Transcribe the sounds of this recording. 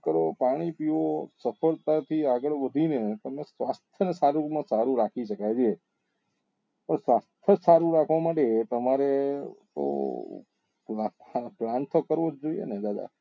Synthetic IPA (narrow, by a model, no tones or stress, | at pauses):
kəɾopaɽ̃ipiʋosəfʰəɭt̪at̪ʰiaɡəɭʋəd̪ʱinet̪əmesʋast̪ʰjənesaɾumãsaɾũɾakʰiʃəkajd͡ʒie | pəɳsʋast̪ʰjəsaɾũɾakʰʋamaʈet̪əmaɾet̪o̰ | plaplãnt̪okəɾʋod͡ʒd͡ʒoijḛned̪ad̪a̰